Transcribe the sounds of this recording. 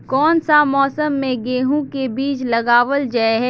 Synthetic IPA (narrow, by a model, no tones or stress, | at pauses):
kɔːnsamɔːsəmːẽɡeːɦũkebiːt͡ʃlɐɡaːʋəld͡ʒaeɦɛː